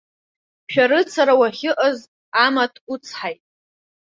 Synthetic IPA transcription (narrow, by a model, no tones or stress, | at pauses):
ʃᶣaɾɨt͡sʰaɾawaχʲɪʔaz | amatʰut͡sʰħajtʼ